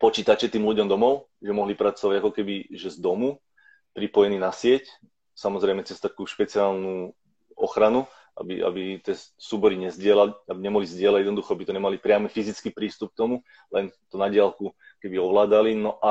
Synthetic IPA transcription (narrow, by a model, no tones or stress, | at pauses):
pɔt͡ʃiːt̪at͡ʃɛt̪iːmluɟɔmd̪ɔmɔʊʒɛmɔɦlipɾat͡sɔʋaɟakɔkɛbiʒɛzd̪ɔmu | pɾipɔjɛniːnasɪɛc | samɔzɾɛɪmɛt͡sɛst̪akuːʃpɛt͡siaːlnu | ʔɔxɾanu | a̰bḭa̰bit̪ɪɛsuːbɔɾiɲɛzɟɪɛlaliabiɲɛmɔɦlizɟɪɛlaɟjɛd̪nɔd̪uxɔabit̪ɔɲɛmalipɾɪamifizit͡skiːpɾiːst̪up̚k̚t̪ɔmu | lɛnt̪ɔnaɟɪalku | kɛbiɔʋlaːd̪alinɔʔa